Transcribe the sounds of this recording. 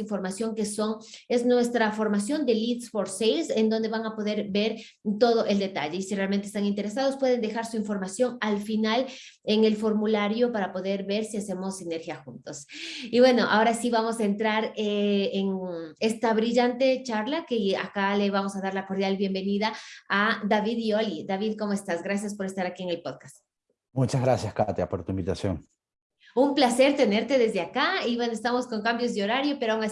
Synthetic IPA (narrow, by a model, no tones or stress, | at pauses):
iɱfo̞ɾmasjo̞ŋke̞so̞ŋe̞znwe̞st̪ɾafo̞ɾmasjo̞nd̪e̞lit̪sfo̞ɾsejlse̞nd̪o̞nd̪e̞βaŋapo̞ðe̞ɾbe̞ɾ | t̪o̞ðo̞ʔe̞ld̪e̞t̪aʝe̞isirealmenest̪aŋint̪e̞ɾe̞sað̞o̞spwe̞ð̞e̞nd̪e̞xaɾsuiɱfo̞ɾmasjo̞ŋalfinal | e̞ŋe̞lfo̞ɾmulaɾjo̞paɾapo̞ðe̞ɾβe̞ɾsiase̞mo̞sːine̞ɾxjaxunt̪osiβwe̞no̞ʔa̰o̞ɾasiβamo̞saent̪ɾaɾeeŋe̞st̪aβɾiʝant̪e̞t͡ʃaɾlake̞a̰kale̞βamo̞saðaɾlako̞ɾðjalβje̞mbe̞niðaad̪aβiðio̞lid̪aβiðko̞moe̞st̪asɡɾas̬jaspo̞ɾe̞st̪aɾakieŋe̞lpo̞ðkast̪ | mut͡ʃaɣɾasjaskat̪japoɾt̪uimbit̪asjo̰ŋ | umplase̞ɾt̪e̞ne̞ɾt̪e̞ðe̞zðeakaiβwe̞noest̪amo̞sko̞ŋkambjozðeo̞ɾaɾjo̞pe̞ɾoawŋa